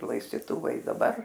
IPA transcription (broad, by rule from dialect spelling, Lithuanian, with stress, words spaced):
lˠɐɪsʲtʲɪˈtʊʋɐɪ ɪ dɐˈbɐr